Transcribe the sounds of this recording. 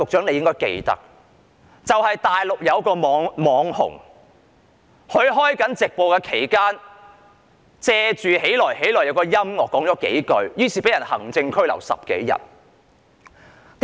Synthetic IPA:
ʊ˨k̚t͡ʃœː˨˥ne˧jɪ˥ŋkɔː˥jkḛ˧jt̪ɐ̰˥k̚ | t͡sɐ˨whɐ˨jt̪aː˨jlʊ˨k̚jɐ˨˧wkɔː˧mɔː˨˧ŋmɔː˨˧ŋhʊ̰˨˩ŋ | hɵ˨˧ɥɦɔː˥jkɐ˨˥nt͡sɪ˨k̚po˨wkɛː˧kʰe˨˩jkaː˥n | t͡sɛː˧t͡ʃyː˨he˨˥jlɔː˨˩jɦe˨˥jlɔː˨˩jɐ˨˧wkɔː˧jɐ˥mŋɔː˨˩kːɔː˨˥ŋt͡sɔː˨˥ke˨˥jkɵ˧ɥjyː˥siː˨pe˨˥jɐ˨˩nhɐ̰˨˩ŋt͡sɪ˧ŋkʰɵ˥ɥlɐ̰˨˩wsɐ̰˨p̚kḛ˨˥jjɐ̰˨t̚ | t̪

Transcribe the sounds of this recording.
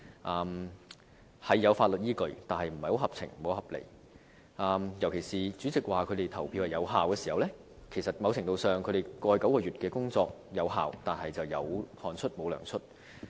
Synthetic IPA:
ʔaː˨m | hɐ˨jːɐ˨˧wfaː˧t̚lə˨t̚jiː˥kɵ˧ɥt̪aː˨˩nhɐ˨jm̩˨˩ɐ˨jho˨˧˥wɦɐ˨p̚t͡sʰɪ̰˨˩ŋm̩˨mo˨˧wɦɐ˨p̚lḛ˨˩j | ʔaː˨˧mjɐ˨˩wkʰe˨˩jsiː˨t͡syː˨˥t͡sɪ˨k̚waː˨˩kʰɵ˨˧t̪e˨jt̪ʰɐ˨˩wpʰiː˧whɐ˨jɐ˨˧wɦaː˨wkɛː˧siː˨˩hɐ˨wlɛː˥ | kʰe˨˩jsɐ˨t̚mɐ˨˧wt͡sʰɪ˨˩ŋt̪o˧wsœː˨˩ŋkʰɾe˨˩kɔː˧jkɐ˨˥wkɔː˧ɥyː˨t̚kɛː˧kʊ˥ŋt͡sɔː˧k̚jɐ˨˧wɦa̰ː˨wt̪aː˨nhɐ˨jt͡sɐ˨wjɐ˨˧whɔː˨˩nt͡ʃʰɵ˥t̚mo˨˧wlœ̰ː˨˩ŋt͡sʰɵ˥t̚

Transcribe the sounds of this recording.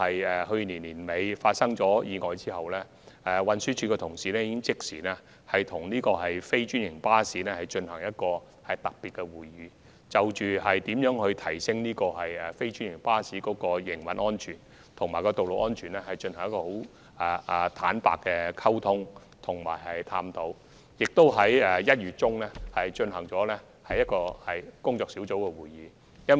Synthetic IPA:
hɐ˨jɛː˨ɦɵ˧ɥniː˨˩nliː˨˩nme˨˧jfaː˧t̚sɐ˥ŋt͡ʃɔː˨˥jiː˨˧ŋɔː˨˧jt͡siː˥hɐ˨wlɛː˥ | ʔɛ˨wɐ˨˧nsyː˥t͡ʃʰyː˨˧kɛː˧t̪ʰʊ˨˩ŋsiː˨lɛː˥jiː˥kɪ˥ŋt͡sɪ˥k̚siː˨˩nɛː˥ | hɐ˨jt̪ʰʊ˨˩ŋniː˥kɔː˧ɦɐ˨jfe˥jt͡ʃy˥njɪ˨˩ŋpaː˥siː˨˥nɛː˥hɐ˨jt͡ʃɵ˧nhɐ˨˩ŋjɐ˥t̚kɔː˧ | hɐ˨jt̪ɐ˨k̚piː˨t̚kɛ˧wuː˨jːyː˨˧ | t͡sɐ˨wt͡ʃyː˨hɐ˨jt̪iː˨˥mjœː˨˥ŋhɵ˧ɥt̪ʰɐ˨˩jsɪ˥ŋniː˥kɔː˧ɦɐ˨jɛ˨fe˥jt͡ʃy˥njɪ˨˩ŋpaː˥siː˨˥kɔː˨˥kɔː˧jɪ˨˩ŋwɐ̰˨˥nʔɔː˥nt͡ʃʰyː˨˩n | t̪ʰʊ˨˩ŋmaː˨˩kɔː˧t̪o˨wlo˨w̚ʔɔː˥nt͡ʃʰyː˨˩nɛː˦˥hɐ˨˩jt͡ʃɵ˧nhɐ˨˩ŋjɐ˥kɔː˧ho˨˥w | ɛː˨˩ʔt̪ʰa̰ː˨˥npa̰ː˨kːɛː˧kʰɐ˥wt̪ʰʊ˥ŋ | t̪ʰʊ˨˩ŋma̰ː˨˩jɦɐ˨jt̪ʰaː˧mt̪ʰo˨˥w | jɪ˨k̚t̪o˥wɦɐ˨˥jɛ˨˩jɐ˥t̚ɥyː˨t̚t͡ʃʊ˥ŋlɛː˥hɐ˨jt͡ʃɵ˧nɦɐ˨˩ŋt͡sɔː˨˥lɛ˥ | hɐ˨jːɐ˥t̚kɔː˧hɐ˨jkʊ˥ŋt͡sɔː˧ksi˨˥wt͡so˨˥wkɛ˧wuː˨jːiː˨˧ | jɐ˥n

